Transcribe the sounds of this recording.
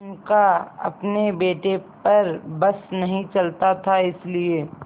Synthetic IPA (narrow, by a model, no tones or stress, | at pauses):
nkaɐ̰pnebeːʈepɐɾbɐsnɐɦĩt͡ʃɐlt̪at̪ʰaɪslieː